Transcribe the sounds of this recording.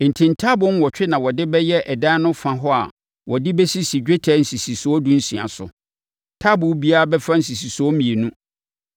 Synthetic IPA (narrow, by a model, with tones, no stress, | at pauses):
n̩˨tʰɪ̃˨ntʰa˦bʊ̃˦n˦wɔ˨t͡ɕᶣɪ˦nã˨wɔ˨dɪ˦bɛ˦jɛ˦ʔɛ˨dãː˦nʊ̃˦fã˨ɦɔ˦a̰˨ | wɔ˨dɪ˦bɛ˦si˦si˨d͡ʑᶣe˦tʰɛ˦n̩˨si˨si˨sʊ˨ɔ˦dũ˦n̩˦si˨a̰˨sʊ̰˨ | tʰa˦bʊ̃˨˦bi˦a˦a˦bɛ˦fɾã˦n̩˨s̬i˨si˨sʊ˨ɔ˦mĩ˨e˨nũ˦